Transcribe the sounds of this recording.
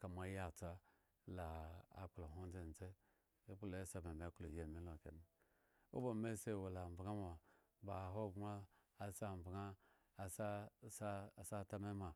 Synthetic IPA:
ka˨m˨a˨˦ja˦˨t͡sa˦ | la̰ː˨k͡plo˨ɦo˦n˦de˦˨n˨t͡se˦ | k͡pu˦lo˨˦sa˨be˨m˨e˨˦ku˦lo˨je˦˨mi˨˦lo˨ke˨ni˨ | o̰˦bo˨me˦se˦˨wo˨la˨m˨bɡa˦m˦a˨ | ba˨ɦo˦˨ɡmaː˦ | sa˦˨m˨bɡa˦˨ | sa˦sa˦˨sa˦˨ta˦me˦ma˨

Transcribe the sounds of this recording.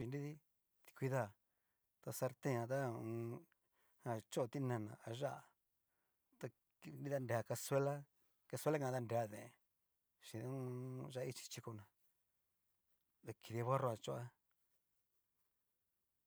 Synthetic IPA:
ʃi˨˧ndi˦ði˦ | t̪i̥˧kʷi˧ða˦˨ | t̪a˧sa˧ɾt̪ẽ˦ã˧t̪a˦ũ˧ | hã˧˨t͡ʃo˦˧t̪i˦nã˧˨nã̰˧˨a˧ʒa˦ʔa˨ | t̪a˧ | ni˦ða˧nde˨a˧˨ka˧se˦la˦ | ka˧se˦la˦kã˧˨˧t̪a˦˧nde˨a˧ðẽ˨ | ʃi˨ðũ˦˧ʒa˦˧˦i˦t͡ʃi̥˧t͡ʃi˧ko˧nã˨ | ðe˧ki˨˧ði˧a˧βa˦ro˧a˧t͡ʃo˦a˦

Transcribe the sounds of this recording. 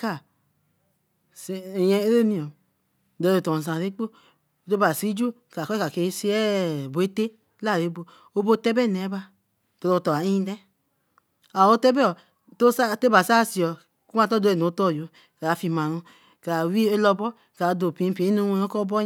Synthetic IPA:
ka˦˨ | sjɛ̃˧e˦ɾe˦nĩ˨ɔ˨ | do˨o˨tɔ˨s̬ã˨ɾe˦k͡po˦˨ | to˦ba˨si˦d͡ʒu˦ka˨kɔ˦ka˨ke˧˦si˦ɛ˦˨bo˨e˦te˦ | la˦˨ɾe˨˦bo˧ | o˦bo˦tɛ˦bɛ˦˨nɛ˨˦ba˧ | to˧ɾo˧tɔ˨a˨i˦ĩ˦dɛ˦ | a˨o˦tɛ˦bɛ˦ɔ˨ | to˦sa˦to˦ba˨sa˦si˨ɔ˨ | ku˦a˦˧tɔ˦do˧˦e˨n˨o˨˦tɔ˦˨jo˨ | ka˨a˨fi˧mã˨ɾũ˧ | ka˨wi˦e˦lɔ˧bɔ˦ | ka˨˦do˨pĩ˨˦˧pi˨i˦nu˦wo˦kɔ˦bɔ˦

